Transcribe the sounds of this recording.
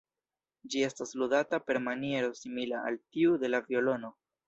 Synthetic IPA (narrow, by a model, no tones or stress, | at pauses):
d͡ʒie̞stasludatape̞ɾmanie̞ɾo̞similaa̰ltiude̞lavio̞lo̞no̞